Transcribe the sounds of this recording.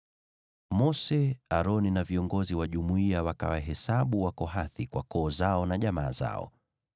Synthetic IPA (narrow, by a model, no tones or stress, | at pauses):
mɔsɛaɾɔninaviɔŋɡɔziwaʄumuiawaka̰waɦɛsaɓuwakɔɦaθikwa̰kɔːzaɔnaʄamaːza̰ɔ̰